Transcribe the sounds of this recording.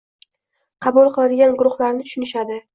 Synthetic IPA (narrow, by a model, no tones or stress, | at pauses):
qʰɑbulˠqɨlˠad̪ɪɡʲanɡʊɾʊχlaɾnɪt̪ʰʊ̥ʃʊnɪʃad̪ɪ